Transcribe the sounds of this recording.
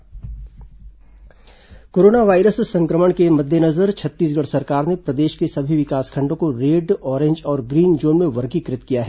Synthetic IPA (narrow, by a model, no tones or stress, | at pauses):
koːɾoːnaʋaːɪɾəssɐ̃ŋkɾəməɽ̃kemɐd̪ʱjənɐzəɾt͡ʃʰɐt̪ːiːs̬ɡəɽsɐɾkaːɾnepɾɐd̪eːʃkesɐbʱiʋɪkaːskʰɐ̃ɳɖõkoɾeːɖɔːɾẽːɲd͡ʒɔːɾɡɾiːnd͡ʒoːnmẽʋɐɾkikɾɪt̪kijaɦɛː